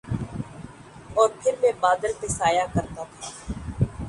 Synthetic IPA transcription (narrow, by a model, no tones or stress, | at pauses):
ɔːɾpʰɪɾmẽːbaːd̪əlpesaːjakəɾt̪at̪ʰaː